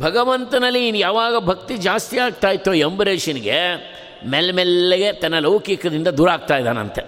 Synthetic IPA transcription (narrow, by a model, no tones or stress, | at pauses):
bʱɐɡɐʋɐnt̪ɐnɐlːiːnjaːʋaːɡɐbʱɐk̚t̪id͡ʒaːst̪ijaːɡ̚t̪aːjit̪ːoembɾeːʃɐniɡe | melmɛlːeɡe̞t̪ɐnːɐlɐʋkikɐd̪ind̪ɐd̪uːɾaːɡ̚t̪aːjd̪aːnɐ̰nt̪e